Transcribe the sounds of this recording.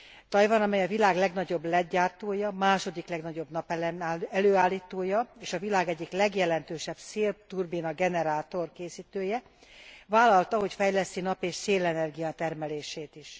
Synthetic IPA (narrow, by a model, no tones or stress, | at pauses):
t̪ɒjvɒnɒmɛjɒvilaːɡlɛɡnɒɟo̞blɛɟaːrt̪oːjɒmaːʃo̞d̪iklɛɡnɒɟo̞bnɒpɛløːaːlːiːt̪oːjɒeːʃɒvilaːɡɛɟːiklɛɡjɛlɛnt̪øːʃɛbseːlt̪urbinɒɡɛnɛɾaːt̪o̞rkeːsiːt̪øːjɛ | vaːlɒlt̪ɒɦo̞cfɛjlɛst̪ːinɒpeːʃseːlɛnɛrɡijɒt̪ɛrmɛleːʃeːt̪iʃ